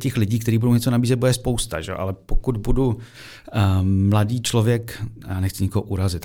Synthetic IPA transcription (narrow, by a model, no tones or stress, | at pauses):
cɛxlɪɟiːkt̪ɛɾiːbudowɲɛt͡sonabiːzɛt̪budɛɛspo̞wst̪a̰ʒɛ̰o̰ʔa̰lɛpokud̪budu | mladiːt͡ʃlovjɛkjaːnɛxt͡sɪɲɪkoɦoʔuɾazɪt̪